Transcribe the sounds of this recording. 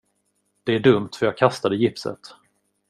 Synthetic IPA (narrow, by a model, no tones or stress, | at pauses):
d̪̥ɛæɖɵmt̪fœɾjɑːɡ̚kʰast̪ad̪əjɪpsə̰t̪